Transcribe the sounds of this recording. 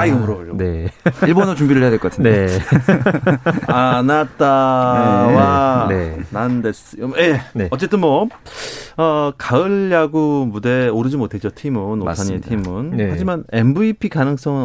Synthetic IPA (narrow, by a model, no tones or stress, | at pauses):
aiɡʌmuɾʌboʎoneiɭbonot͡ɕumbiɾɯɭɦejadweɭk͈ʌkatʰɲno | anat͈a | waenandes͈ɯjomjeʌt͡ɕ͈e̞t͈ɯnmwʌ | ʌkaɯɭjaɡumude̞oɾɯd͡ʑimotʰe̞t͡ɕ͈otʰimɯnosʰaɲimetʰimɯnhad͡ʑimanembuipʰikanɯŋs͈ʌŋɯn